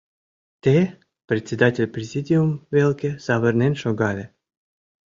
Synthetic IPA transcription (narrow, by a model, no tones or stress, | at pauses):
t̪e | pɾʲet̪ʲt͡sʲed̪atʲelʲprʲezʲidʲiumvelʲˠkʲez̥ɑvərnenʃoɡɑlʲe